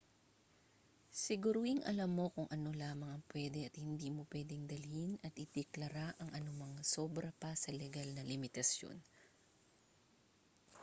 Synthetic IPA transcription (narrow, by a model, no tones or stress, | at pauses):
sɪɡʊɾuɪŋʔɐ̰lɐmːo̞kʊŋʔɐno̞laːmɐŋɐŋpwɛːd̪ɛɐt̪̚hɪnd̪iːmopwɛːd̪ɛŋd̪ɐlinɐt̪ɪt̪ɛklɐɾaʔɐŋʔɐnʊmɐŋso̞bɾɐpɐsɐlɛɡalnɐlɪmɪt̪ɐsjo̰n